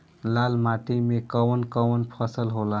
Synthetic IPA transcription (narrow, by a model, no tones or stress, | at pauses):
lalmaʈimekəwənkəwənpʰəsəlɦola